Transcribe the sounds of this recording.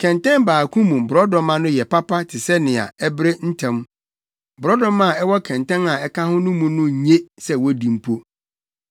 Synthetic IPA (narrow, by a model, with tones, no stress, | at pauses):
kʰɛ̃˨ntɛ̃˦mbaː˨kʰũ˦mũ˨m˨bʊ˨ɾɔ˦dɔ̃˦mã˦nʊ̃˦jɛ˨pʰa˦pʰa˦tʰɪ˨sɛ˦nɪ̃˨a̰˨ɛ˦bɾe˦n̩˦tʰɛ̃˦m˦ | bʊ˨ɾɔ˦dɔ̃˦mã˦˨ɛ˦wɔ˦kʰɛ̃˨ntɛ̃˦na˨ɛ˦kã˦hʊ̃˦nʊ̃˦mũ˦nʊ̃˦˨ɲẽ˦sɛ˦wɔ˦dĩ˨m̩˦pʰo˦